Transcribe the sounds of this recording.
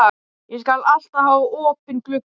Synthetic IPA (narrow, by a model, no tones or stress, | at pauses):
jɛskalal̥t̪ahaːvɔːpɪnklʏk